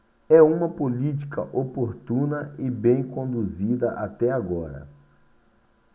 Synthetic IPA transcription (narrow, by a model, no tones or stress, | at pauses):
ɛũmɐpolit͡ʃi̥kɐ̰ʔopoɾt̪ũnɐɪbẽj̃kõnd̪uzid̪ɐʔat̪ɛaɡɔɾɐ̰